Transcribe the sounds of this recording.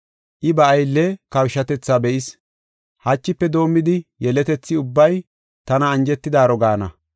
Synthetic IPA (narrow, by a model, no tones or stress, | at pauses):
ʔɪbɐːjlːɛkɐwʃɐt̪ɛt͡sːaːbɛʔɪs | hɐt͡ʃːɪpːɛd̪o̞ːmːɪd̪ɪjɛlɛt̪ɛt͡sːɪʊbːɐj | t̪ɐnɐːnd͡ʒɛt̪ːɪd̪aːɾɔɡaːnɐ̰